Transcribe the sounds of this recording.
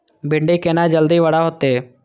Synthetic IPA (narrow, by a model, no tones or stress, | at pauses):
bɪɳɖikenad͡ʒəld̪iʋəɽaɦot̪eː